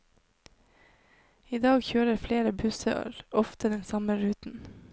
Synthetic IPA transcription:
iːd̪ɑːɡçøːɾəɾfleːɾəbʉsə̰ə̰ɾɔft̪əd̪ɛnsɑməɾʉːt̪n̩

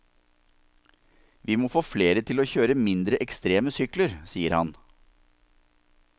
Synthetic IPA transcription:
ʋiːmoːfoːfleːɾət̪ʰɪloːçøːɾəmɪnd̪ɾəʔɛkst̪ɾeːməsʏkləɾsiːəɾhɑ̰n

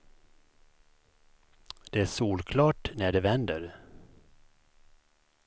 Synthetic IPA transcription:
d̪̥ɛæʂuːlkʰlɑːʈnæɖɛvɛnd̪əɾ

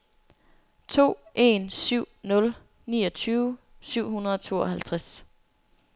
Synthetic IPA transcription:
t͡sʰo̝̰ːʔe̝̰nsyʊ̰nɔ̽l | nḭːɒ̽t͡sʰyːʊsyʊ̰ɦunɐð̞ˠɒ̽t͡sʰo̝̰ːɒ̽hælt͡sʰʁas

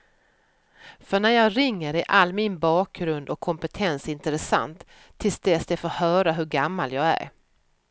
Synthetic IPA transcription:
fœɳæɾjɑːɡɾɪŋːəɾæɾʔalːmɪnbɑːk̚ɡɾɵnd̪ɔkʰːɔmpɛt̪ʰɛnsɪnt̪əɾɛsa̰nt̪ʰː | ɪlsd̪ɛsd̪ɛfoːɾhœːɾaɦɵɾɡamːaljɑːɡæ̰ɾ

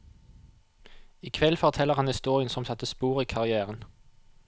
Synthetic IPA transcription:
ikʰʋɛlfɔʁt̪ʰɛlːəʁhɑnhɪst̪uːʁɪənsɔmsɑt̪ːəspuːʁiːkʰɑʁɪæːʁən

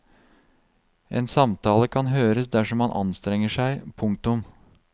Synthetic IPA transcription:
ʔḛːnsɑmt̪ʰɑːləkʰɑnɦøːɾəsd̪æʂɔmɑnʔɑ̰nst̪ɾɛŋːəʂæɪpʰʊŋk̚t̪ʊm

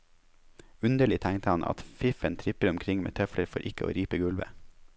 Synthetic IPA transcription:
ʉnd̪əɭɪt̪ʰæŋt̪əhɑnʔɑ̰t̪fɪfənt̪ʰɾɪpəɾʊmkʰɾɪŋmḛːt̪ʰœfləɾfɔɾʔɪkəʔo̰ːɾiːpəɡʉlʋə̰

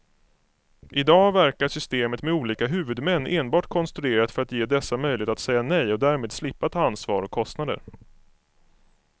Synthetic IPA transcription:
ʔɪd̪ɑːvæɾkaʂʏst̪eːmət̪mɛuːliːkaɦʉ̟ːvɵd̪mɛnːeːnbɑːʈkʰɔnst̪ɾɵeːɾat̪fœɾat̪jeːd̪ɛsːamœjlɪeːt̪at̪sɛjːanɛjɔd̪æːɾmeːd̪slɪpːat̪ʰɑːansvɑ̰ːɾɔkʰːɔst̪nad̪ə̰ɾ

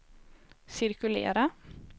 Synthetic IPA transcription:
sɪɾkʉlḛːɾa

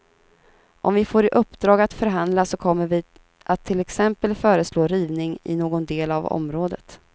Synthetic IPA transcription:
ʔɔmvɪfoːɾɪʔɵpːd̪ɾɑːɡat̪fœɾɦand̪lasɔkʰɔmːəɾvɪ | ʔat̪ʰːɪlɛksɛmpəlfœːɾəsloːɾiːvnɪŋɪ̰noːɡɔnd̪eːlavɔ̰mɾoːd̪ət̪

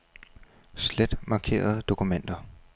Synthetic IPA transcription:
sled̥mɑ̈kʰe̝̰ːɐð̞̩ˠd̥o̝kʰumen̰d̥ɐ

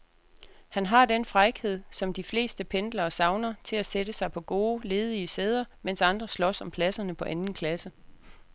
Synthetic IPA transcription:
hænɦɑ̈d̥enfʁaɪɡ̥he̝ð̞̰ˠsɒ̽md̥ifle̝̰ːsd̥əpʰend̥lɐːsɑ̈ʊnɐt͡sʰe̝læsedəsɑ̈ɪpʰɒ̽ɡ̥o̝ːle̝ːð̞ˠiəseːð̞ˠɐmen̰sɑ̈nd̥ʁɐslɒsɒ̽mpʰlæsɐnəpʰɒ̽ʔænn̩kʰlæsə

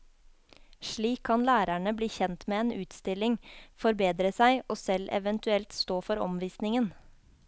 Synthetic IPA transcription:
ʃɭiːkʰːɑnlæːɾæɳəbliːçɛnt̪meːeːnʉːt̪st̪ɪlɪŋfɔɾbeːd̪ɾəsæɪʔoːsɛlʔɛ̰ʋənt̪ʉɛlt̪st̪oːfɔɾɔ̰mʋiːsnɪŋən

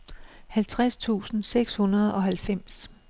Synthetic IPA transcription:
hælt͡sʰʁast͡sʰṵːsn̩seɡ̥shunɐð̞ˠɒ̽ɦælfem̰s

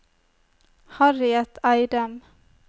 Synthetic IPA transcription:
hɑɾɪɛt̪ʰːɑɪd̪əm

